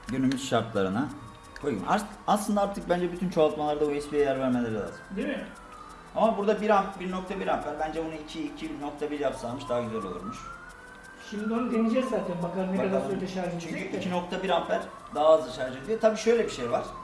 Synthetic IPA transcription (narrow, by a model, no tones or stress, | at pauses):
ɟønymyz̥ʃaɾt̪lˠaɾɯna | ojḭmʔa̰ɾ | aslˠɯnd̪aaɾt̪ʰɯk̚bænd͡ʒɛbyt̪ʰynt͡ʃʰoalˠt̪malˠaɾd̪abuɛspijɛjæɾvæɾmelʲeɾilʲa̰ːzɯmd̪emɪ | amabuɾd̪abiɾabiɾno̞kt̪ʰabiɾafːæɾbænd͡ʒɛbunuicʰiːcʰibno̞k̚t̪ʰabiɾjapsamɯʃd̪aɦaɟyzøɾolˠṵɾmuʃ | ʃimd̪ionud̪enid͡ʒɛzzaːt̪ʰænbakalˠɯnkad̪aɾøɾleʃaɾd͡ʒt͡ʃʰyɲcʰyicʰino̞k̚t̪ʰabiɾafːæɾ̥ | d̪aɦaːzlˠat͡ʃʰaɾd͡ʒyed̪ijot̪abiːʃø̞jlʲɛbiʃejvaɾ̥